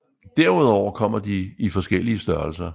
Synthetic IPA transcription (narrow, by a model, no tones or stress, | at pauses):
d̥æɐ̰uð̞̰ˠɒʊ̰ɐkʰɒ̽m̰ɐd̥iifɒ̽sɡ̥el̰iəsd̥ɶɐlsɐ